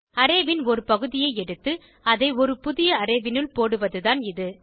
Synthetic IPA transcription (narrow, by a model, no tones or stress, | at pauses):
ɐɾeːʋɪnɔɾɯpɐɣɯðɪjɐɪɛɽɯt̪ːɯ | ɐðɐɪɔɾɯpʊðɪjɐɐɾeːʋɪnɯlpoːɽɯʋɐðɯðaːnɪðɯ